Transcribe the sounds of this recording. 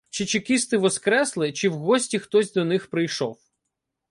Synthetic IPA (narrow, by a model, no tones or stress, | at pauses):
t͡ʃɪt͡ʃɪkʲist̪ɪʋɔskɾɛslˠɪt͡ʃɪwɦɔsʲtʲixt̪ɔzʲd̪ɔnɪxpɾɪjʃɔw